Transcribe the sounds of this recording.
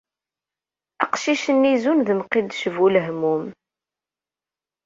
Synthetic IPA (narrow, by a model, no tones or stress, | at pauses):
æqʃiʃənːizunðəmqid̪ʃəvuləɦmum